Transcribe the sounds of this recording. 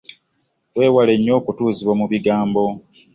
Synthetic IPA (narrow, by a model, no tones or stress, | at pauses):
we̞ːwale̞ɲːo̞ːkutuːziβwomuβiɡaːmbo̞